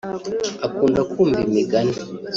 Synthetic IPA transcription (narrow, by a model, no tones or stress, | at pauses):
akundakumbimiɡani